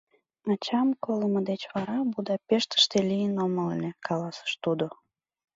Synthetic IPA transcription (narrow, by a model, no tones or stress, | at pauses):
mɑt͡ɕɑmkoləməd̪et͡ɕβɑɾɑbud̪ɑpeʃt̪ə̥ʃt̪elʲijənoməlnʲekʰɑlɑsə̥ʃt̪ud̪o